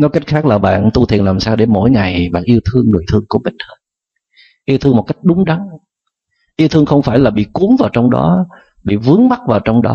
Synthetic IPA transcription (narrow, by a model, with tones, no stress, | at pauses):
nɔ˨˦jka˦˥jk̟̚xaː˦˥k̚laː˨˩ɓa̰ː˧˨nt̪u˧t̪ʰḭ˧˨ənlaː˨˩msaː˧wɗe˧˩mo̰˧˥˨jŋa˨˩jɓa̰ː˧˨nʔi˧wt̪ʰɨ˧əŋnṵ˧˩əjt̪ʰɨ˧əŋku˧˩əmï˨˩ŋ̟həː˨˧˦t̚ | ʔi˧əwt̪ʰɨ˧əmo˨˩t̚ka˦˥jk̟̚ɗʊ˨˦ŋ͡mɗa˨˦ŋ | ʔi˧wt̪ʰɨ˧əŋxə˧wŋ͡mfaː˧˩jlaː˨˩ɓḭ˧˨ku˨˦əŋvaː˨˩wt͡ɕɔ˧wŋ͡mɗɔ̰˨˦ | ɓḭ˧˨vɨ˨˦əŋma˦˥t̚vaː˨˩wt͡ɕɔ˧wŋ͡mɗɔ̰˨˦